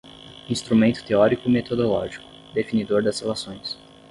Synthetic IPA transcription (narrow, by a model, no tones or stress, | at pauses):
ĩst̪ɾumẽnt̪ʊ̥t̪eɔɾikʊimet̪od̪olɔ̰ʒikʊ̥ | d̪efinid̪oɾd̪ɐshelasõj̃s